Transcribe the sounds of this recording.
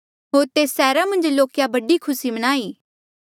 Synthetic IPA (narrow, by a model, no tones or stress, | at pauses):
ɦoːɾt̪eːsɛːɾamɐ̃nd͡ʒloːkjabɐɖikʰʊsimɐñaːiː